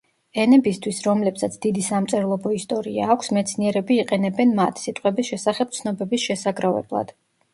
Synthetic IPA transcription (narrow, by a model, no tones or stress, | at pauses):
ɛnɛbist̪ʰwisɾɔmlɛpsat̪sʰd̪̥id̪isamt̪sʼɛɾlˠɔbɔist̪ʼɔɾia̰ːkʷʰsmɛt̪sʰniɛɾɛbiːqʼɛnɛbɛnmat̪ʰsit̪ʼqʼwɛbisʃɛsaχɛb̚t̪sʰnɔbɛbisʃɛsaɡɾavɛ̰blˠa̰d̪̥